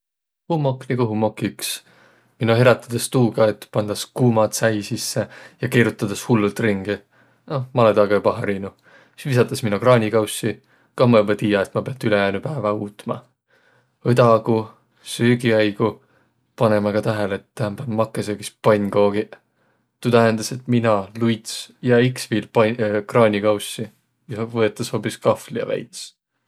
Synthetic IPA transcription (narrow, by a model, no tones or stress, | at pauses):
humoknikoɦumo̞kˑːiks | minuɦe̞ɾɑt̪ːˑɑd̪̥est̪uːɡ̥ɑet̪ːpɑnd̪̥ɑskuːmɑt̪sæjsisːejɑkeːɾut̪ːˑɑd̪̥ɑshulːult̪ˑriŋɡi | nomɑled̪ɑɡɑjɑpɑɦɑɾiːnu | svis̬ɑt̪ːˑɑsminokrɑːnʲikɑwsːi | kɑhmɑjubɑt̪iːjɑet̪mɑpeɑt̪ːˑyle̞jæːnupæːvɑuːt̪mɑ̰ | vɤd̪ɑku | syːɡiɑjɡ̥u | pɑne̞mɑkɑt̪æɦeleet̪ːæhæmb̥ænmɑkːˑeseki̥spɑnʲɡo̞ːɡ̥i | t̪ut̪æɦend̪̥ɑse̞t̪minɑlujt̪sjɑiksviːlpɑkrɑːnʲikɑwsi | jɑvɤet̪ːˑɑsho̞ːpiskɑflijɑ̰væ̰jt̪s